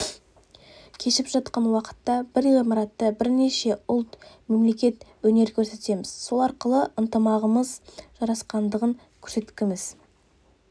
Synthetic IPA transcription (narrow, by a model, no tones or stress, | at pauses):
kʲʰe̞ʃɪpʒɑt̪qɑnwɑqə̥t̪ːɑbɪɾʁʁimɑɾɑt̪ːəbɪɾne̞ʃe̞ʊlˠt̪me̞mle̞kʲe̞t̪wɵne̞ɾkʲʰɵɾse̞t̪e̞mɪz̥so̞lˠɑɾqəlˠəʔənt̪əmɑʁəməzʒ̥ɑɾɑsqɑnd̪əʁəŋ | kʲʰɵ̥ɾse̞t̪kʲɪmɪz̥